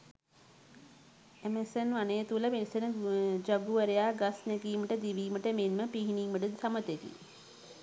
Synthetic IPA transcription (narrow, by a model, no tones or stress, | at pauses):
emesenʋaneːt̪uləpenisenəd͡ʒaɡuʋəɾejaːɡasnɛɡiːməʈəd̪iʋiːməʈəmenməpiɦiniŋməʈət̪ʰamət̪ekḭ